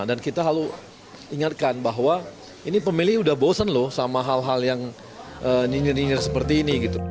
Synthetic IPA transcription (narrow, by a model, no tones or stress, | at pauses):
dankit̪aɦalu | iŋat̪̚kanbaɦwa | inipəmilɪhudahbosanlʊhsamaɦalɦaljaŋ | ʔəninɪrninɪrsəpərt̪iːniɡit̪u